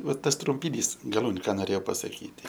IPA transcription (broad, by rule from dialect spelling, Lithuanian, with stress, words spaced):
ˈʋɐ ˈtɐs trʊmʲpʲɪˈnʲiːs ɡɐˈlˠuːnʲʊ ˈkɑː noːˈrʲeːjɛʊ pɐsɐˈkʲiːtʲɪ